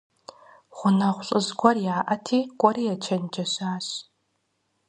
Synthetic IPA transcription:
χʷʊnɐʁʷɬʼɨzɡʷɔrjaːʔɐtʰiːkʷʼɔɾiːjɛt͡ʃʰɐnd͡ʒɐɕaːɕ

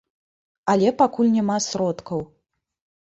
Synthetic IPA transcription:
alʲɛpakulʲnʲamasɾɔt̪kɐw

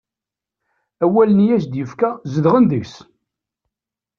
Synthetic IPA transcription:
æwælənjæsd̪jəfkæzəðʁənðəçs

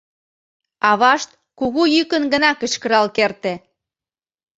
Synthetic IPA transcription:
ɑβɑʃt̪̚ | kuɣujykənɡə̆nɑkə̆t͡ɕkə̆ɾɑlkert̪e

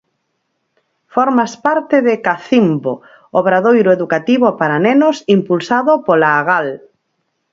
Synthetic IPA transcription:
fɔɾmaspaɾt̪ɪðɪkaθimbo | oβɾaðojɾʊeðukat̪iβopaɾanenʊsimpulsaðʊpolaːɣal

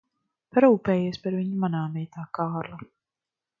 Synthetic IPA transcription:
paɾuːpɛːjeɛspaɾviɲumanaːmiɛt̪aːkaːɾlˠa

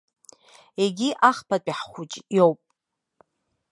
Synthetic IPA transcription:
eɡʲiʔaχpʰat͡pʼiħχʷut͡ʃʼjowpʼ

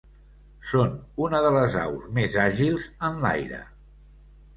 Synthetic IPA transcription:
sonunəðələza̰wzmezaʒilˠzənla̰jɾə̰

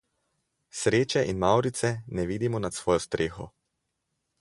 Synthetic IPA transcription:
sɾeːt͡ʃɛʔinmawɾit̪sɛnɛʋiːd̪imɔnat̪sʋɔːjɔst̪ɾʔeːxɔ

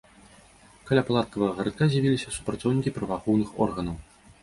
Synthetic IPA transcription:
kɐlʲapalˠat̪̚kɐvɐɣɐɣɐɾt̪kazʲjavʲilʲisʲɐsu̥pɾɐt̪sɔwnʲikʲipɾɐvaxɔwnɨxɔ̰rɣɐnɐw

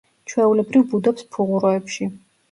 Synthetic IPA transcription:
t͡ʃʰwɛulɛbɾivbud̪ɔpspʰuʁuɾɔɛpʃi

